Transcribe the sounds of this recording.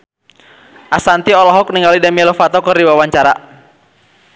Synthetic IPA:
ʔasant̪iɔlɔɦɔk̚niŋɡalidamiɛlɔfat̪ɔkɨrdiwawaɲt͡ʃaɾa

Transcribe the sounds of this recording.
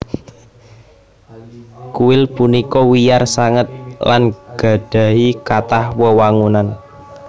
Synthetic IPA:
kuwɪlpunikɔwijarsaŋət̪̚lanɡ̥a̤ɖ̥ä̤ɦikat̪ahwəwaŋunan

